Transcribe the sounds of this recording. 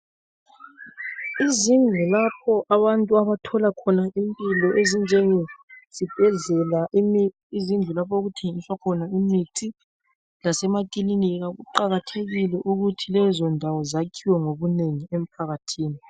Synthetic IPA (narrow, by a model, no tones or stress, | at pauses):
izind͡ɮʱulapʰɔʔaβantʼuaβatʰɔlakʰɔnaimpʼilɔʔezind͡ʒʱɛŋɛz̥ib̥ʱɛɮɛlaʔimi | izind͡ɮʱulapʰɔoɣutʰeŋiswakʰɔnaimitʰi | lasɛmakiliniɣaɣuǃaɣatʰeɣilɛʔuɣutʰilɛzɔndʱawɔzakʰiwɛŋoβuneŋiem̩pʰaɣatʰiːni